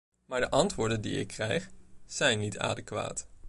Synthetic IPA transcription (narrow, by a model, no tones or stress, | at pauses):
maːɹdəʔɑntʋʊːɹdəndiɪ̰kʰːrɛjχz̥ɛjnːita̰ːdəkʋa̰ːt